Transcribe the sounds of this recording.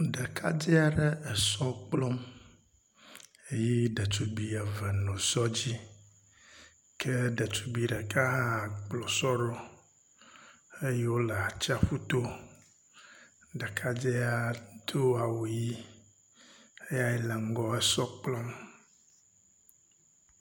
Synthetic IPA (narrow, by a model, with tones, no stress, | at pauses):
ɖə˨kʰa˦d͡ʒɛ˦a˨ɖə˦ʔe˨sɔ˦k͡plɔ˦m | e˦jɛ˦ɖə˨t͡ʃu˨bi˨ɛ˨vɛ˨nɔ̃˨sɔ˦d͡ʑi˦ | kʰe˦ɖə˨t͡ʃu˨bi˨ɖə˨kʰa˦˨k͡plɔ˨sɔ˦ɖɔ˦ | e˦je˦wo˦lə˨a˨t͡ʃa˦ɸu˦t̪o˦ | ɖə˨kʰa˦d͡ʒe˦a˨d̪o˦a˨wu˨ji˦ | e˦ja˦ɛ˨lə˨ŋ̩˦ɡɔ˦e˨sɔ˦k͡plɔ˦m